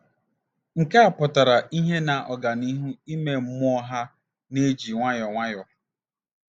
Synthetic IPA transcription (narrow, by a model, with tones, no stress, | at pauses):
ŋ̩˨ka˦a˨pʊ˨ta˨ɾa˨i˦ɦe˦na˨ʔɔ˨ɡa˨ni˦ɦu˦i˦me˨m̩˦mʊ˦ɔ˦ɦa˦ | ne˦d͡ʒi˨ŋʷa˦jɔ˨ŋʷa˦jɔ˨